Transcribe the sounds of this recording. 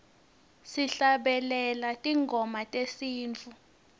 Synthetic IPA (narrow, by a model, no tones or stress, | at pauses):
siɬaɓɛlɛlatʼiŋɡʱɔmatʼesiːnt͡fʰu